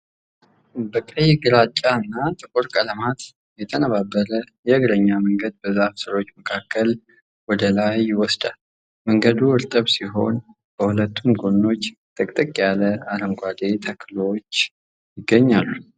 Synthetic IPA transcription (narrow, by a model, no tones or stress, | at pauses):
bəkʼəjːɪɡɨɾat͡ʃʼːaɨnːat̪ʼɨkʼuɾkʼələmat̪ | jɛt̪ʰənəβabːəɾəjɛɨɡɾəɲːaməŋɡəd̪̚bəzaβsɨɾo̞t͡ʃːməkʰakʰːəl | wɔd̪əlajwɔsd̪a | məŋɡəd̪uɨɾt̪ʼəβsiɦo̞n | b̥əhulət̪ːumɡonːo̞t͡ʃːt̪ʰʼəkʼt̪ʼɨkʼjaləaɾəmɡʷad̪e̞t̪ʰəkʰːlot͡ʃː | jɪɡːəɲːalːu